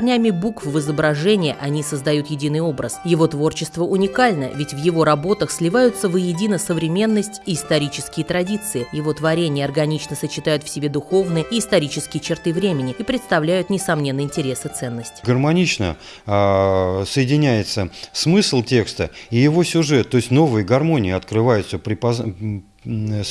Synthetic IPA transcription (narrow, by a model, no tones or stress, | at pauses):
rnʲamʲɪbukfvɨzəbɾɐʐɛnʲɪjəʔɐnʲisəzd̪ɐjut̪jɪdʲinɨjo̞bɾəsjɪvo̞t̪vo̞rt͡ɕɪst̪vəʊnʲɪkalʲnə̰vʲɪtʲvjɪvo̞ɾɐbo̞t̪əxsʲlʲɪvajʊt̪səvəjɪdʲinəsəvɾʲɪmʲe̞nːəsʲtʲiːst̪ɐɾʲit͡ɕɪskʲɪjət̪ɾɐdʲit̪sɨɪjɪvo̞t̪vɐɾʲenʲɪjəɐrɡɐnʲit͡ɕnəsət͡ɕːɪt̪ajʊt̪fsʲɪbʲed̪ʊxo̞vnɨjəiːst̪ɐɾʲit͡ɕɪskʲɪjət͡ɕɪrt̪ɨvɾʲemʲɪnʲɪipɾʲɪt̪st̪ɐvlʲæjʊt̪nʲɪsɐmnʲe̞nːəɪnʲtʲɪɾʲesɨt̪sɛnːəsʲtʲɪ̥ɡərmɐnʲit͡ɕnə̰ | səjɪdʲɪnʲæjɪt̪səsmɨslˠtʲe̞kst̪əijɪvo̞sʲʊʐɛt̪ːoɪsʲtʲno̞vɨjəɡɐrmo̞nʲɪːɪɐt̪kɾɨvajʊt̪səpɾʲɪpɐ